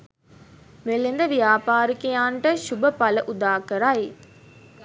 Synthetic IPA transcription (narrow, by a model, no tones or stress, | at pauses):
melːend̪əʋijaːpaːɾikejaːɳʈəʃubəpaləʔud̪aːkəɾaj